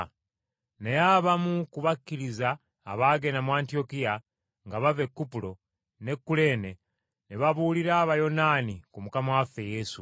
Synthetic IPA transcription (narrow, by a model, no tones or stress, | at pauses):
nejaβamukuβakːiɾizaː | βaːɡe̞namwaːntio̞kija | ŋɡaβave̞kːupulo̞ | ne̞kːule̞ːne | neβaβuːliɾaːβajo̞nanikumukamawafe̞je̞ːsu